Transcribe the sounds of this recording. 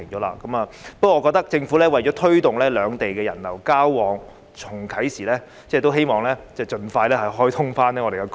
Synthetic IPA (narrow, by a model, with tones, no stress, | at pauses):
ɪ˨˩ŋt͡ʃɔː˨˥la̰ː˧kɐ˨˥maː˨pɐ˥wɔ˧˨˧kɔː˧k̚t̪ɐ˥k̚t͡sɪ˧ŋfuː˨˥lɛː˥wɐ˨˩jt͡ɕɔː˨˥t̪ʰɵ˥ɥt̪ʊ˨˩ŋlɛː˥lœː˨˧ŋt̪e˨jkɛː˧jɐ̰˨˩nlɐ˨˩wkaː˥wːɔː˨˧ŋ | t͡sʰʊ˨˩ŋkʰɐ˨˥jsiː˨˩lɛː˥ | t͡sɛː˥˩t̪o˥wɦe˥jmɔː˨ŋlɛː˥t͡sɛː˥˩t͡ʃɵ˧nfaː˧jlɛː˥hɐ˨jɦɔː˥jt̪ʰʊ˥ŋfaː˥nɛː˥ŋɔː˨˧ɾe˨˩kːɛ˧k